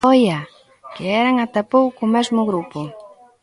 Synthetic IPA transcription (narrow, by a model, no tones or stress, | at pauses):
ɔjɐ | kɪɛɾɐŋat̪apowkːmɛzmʊɣɾupʊ